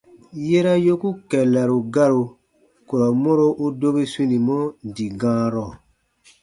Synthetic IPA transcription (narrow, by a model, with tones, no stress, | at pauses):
je˦ɾa˦jo˦ku˦kɛ˨la˨ɾo˨ɡa˦ɾo˨ | ko˨ɾɔ˨mɔ̃˦ɾo˦ʔu˦do˦be˦sĩ˦nĩ˨mɔ̃˦˨di˨ɡãː˦ɾɔ˨